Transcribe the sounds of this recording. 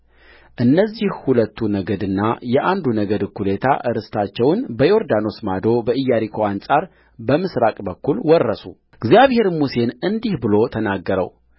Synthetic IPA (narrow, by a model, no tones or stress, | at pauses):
ʔɨnːəzːihhulət̪ʰːunəɡəd̪ɨnːa̰jɛʔand̪unəɡəd̪kʰːulet̪ʰa̰ʔɨɾɨst̪ʰat͡ʃːɛwnbəjo̞ɾd̪ano̞smad̪o̞bəʔɨjːaɾikʰo̞ansʼaɾ | bəmɨsɾakʼbəkːulwɔrːəsṵ | ɡzjaβhe̞ɾmuse̞nɨnd̪ihbɨlo̞t̪ʰənaɡːəɾə̰w